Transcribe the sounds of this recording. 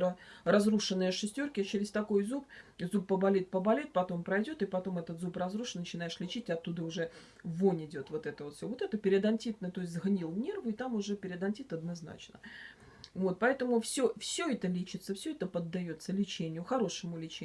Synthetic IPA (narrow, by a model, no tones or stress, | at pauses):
ərɐzruʂɨnːəjəʂɨsʲtʲo̞rkʲɪt͡ɕɪɾʲɪst̪ɐko̞jzupzupːəbɐlʲet̪̚pəbɐlʲet̪̚pɐt̪o̞mpɾɐjdʲo̞t̪ɨpɐt̪o̞mɛt̪ət̪zuprɐzruʂnnːət͡ɕɪnajɪʂlʲɪt͡ɕitʲɪɐt̪ːud̪əʊʐɛ | vonʲɪdʲo̞t̪vo̞t̪ɛt̪əvo̞t̪fsʲovo̞t̪ɛt̪əpʲɪɾʲɪd̪ɐnʲtʲit̪̚nət̪o̞ɪsʲtʲzɣnʲilˠnʲe̞rvʊɪt̪amʊʐɛpʲɪɾʲɪd̪ɐnʲtʲit̪ɐd̪nɐzna̰t͡ɕnə̰ | vo̞t̪̚pɐɛt̪əmʊfsʲofsʲɵɛt̪əlʲit͡ɕɪt̪səfsʲɵɛt̪əpəd̪ːɐjo̞t̪səlʲɪt͡ɕenʲɪjʊxɐɾo̞ʂəmʊlʲɪt͡ɕe